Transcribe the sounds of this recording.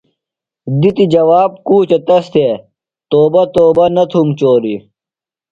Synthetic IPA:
d̪it̪id͡ʑɐwaːb̚kuːt͡ɕɐt̪ɐst̪ʰe | t̪oːbɐt̪oːbɐnɐt̪ʰumt͡ɕoːɾi

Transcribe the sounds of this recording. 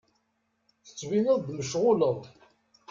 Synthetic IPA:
θə̥t͡sːvinəðˤd̪məʃʁʊləðˤ

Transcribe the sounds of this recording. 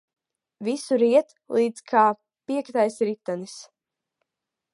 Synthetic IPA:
visuɾiɛt̪ | lˠiːd̪skʰaː | piɛkt̪ajsɾit̪anis

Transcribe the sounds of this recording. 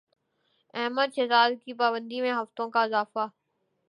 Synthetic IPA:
ɛɦməd̪ʃɪzaːd̪kiːpaːbə̃nd̪iːmẽɦəft̪õːkaːɪzaːfaː

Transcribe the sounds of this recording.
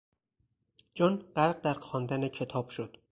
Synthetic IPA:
d͡ʒɒːnɢæɾɢ̚d̪æɾxɒːnd̪ænecʰe̞t̪ʰɒːb̥ʃod̪̥

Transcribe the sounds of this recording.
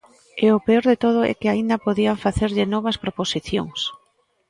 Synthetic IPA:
eʊpeoɾðet̪oð̞ʊɛ̰kɪaind̪ɐpoðiaɱfaθeɾʎɪnɔβ̞ɐspɾoposiθjo̰ŋs

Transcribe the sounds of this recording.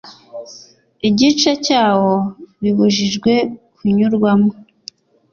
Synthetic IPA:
iɟit͡ʃacaːwoβiβuʒiʒɡwe̞kuɲuɾɡwamo

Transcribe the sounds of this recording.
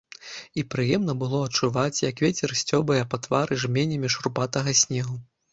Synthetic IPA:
ipɾɨjɛmn̪ɐbɨlˠɔɐt͡ʂuvat͡sʲjɐkvʲet͡sʲɛrsʲt͡sʲɔbɨjɐpat̪vaɾʔɨʐmʲenʲɐmʲiʂurpat̪ɐɣɐsʲnʲɛɣu

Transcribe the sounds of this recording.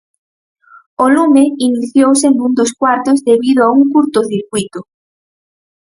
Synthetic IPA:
olumeiniθjowseŋund̪ʊskwaɾt̪ozðeβið̞ʊauŋkuɾt̪ʊθiɾkwit̪ʊ

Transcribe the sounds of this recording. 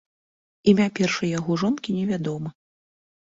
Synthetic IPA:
imʲapʲɛrʂɐjaɣɔʐɔnkʲinʲɛvʲad̪ɔmɐ

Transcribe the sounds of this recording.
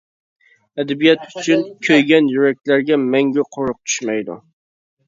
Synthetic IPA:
ɛd̪ɛbijɛt̪yt͡ʃʰynkʲʰøjɡʲɛnjyɾɛk̚ʲlæɾɡʲɛmæŋɡʲɪqʰoɾʊq̚t͡ʃ̪ʰy̥ʃmɛjd̪ʊ̰

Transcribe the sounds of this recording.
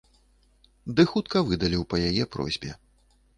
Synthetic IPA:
d̪ɨxut̪kɐvɨd̪ɐlʲiwpɐjajɛpɾɔ̰zʲbʲɛ

